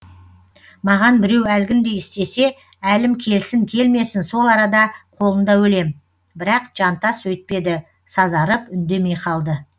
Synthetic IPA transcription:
mɑʁɑnbɪɾe̞wælɡʲɪnd̪e̞jɪst̪e̞se̞ | ælɪmkʲʰe̞lsɪŋkʲʰe̞lme̞sɪnso̞lˠɑɾɑd̪ɑqʰo̞lˠənd̪ɑwɵle̞m | bɪɾɑqʒ̥ɑnt̪ɑswɵt̪̚pe̞d̪ɪ | sɑzɑɾəpʏnd̪e̞me̞jqʰɑlˠd̪ə

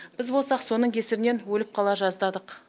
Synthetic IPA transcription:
b̥ɪzbo̞lˠsɑqso̞nəɴkʲʰesɪɾɪne̞nwɵlɪp̚qʰɑlˠɑʒɑzd̪ɑd̪əq

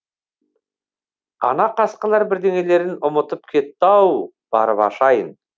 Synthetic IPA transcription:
ɑ̰nɑqʰɑsqəlˠɑɾbɪɾd̪eŋe̞le̞ɾɪnʊmət̪əp̚kʲʰe̞t̪ːɑw | b̥ɑ̰ɾəpɑ̰ʃɑjən

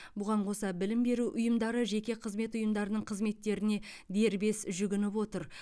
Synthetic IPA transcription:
bʊʁɑɴqʰo̞sɑbɪlɪmbe̞ɾuʔʊjəmd̪ɑɾəʒe̞kʲe̞qʰəzme̞t̪ʊjəmd̪ɑɾənəɴqʰəzme̞t̪ːe̞ɾɪne̞ | d̪e̞ɾbe̞sʒʏɡʲɪnɪpwo̞t̪əɾ

